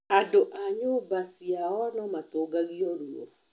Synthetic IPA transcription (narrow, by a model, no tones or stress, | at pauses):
adoʔaɲoːbasiaɔnɔmat̪oɡaɣiɔɾuɔ̰